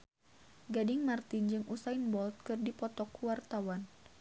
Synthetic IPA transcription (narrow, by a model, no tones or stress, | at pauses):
ɡadɪŋmart̪ind͡ʒɨŋʔusainbɔlt̪̚kɨrdipɔt̪ɔkuwart̪awan